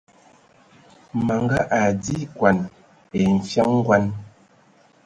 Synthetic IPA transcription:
ma˨ŋɡa˦ʔa˨di˦kwa˨n | e˨ɱ̩˨fja˦ŋ̩˦ɡwa˦n

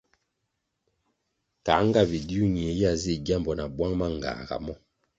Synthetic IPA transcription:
ka˨˦ŋ˦ɡa˦bi˨di˦u˦ɲi˨e˨ja˨zi˦˨ɟa˦mbɔ˨na˨bwa˦ŋma˦ŋ˨ɡa̰ː˨ɡa̰˨mɔ˦

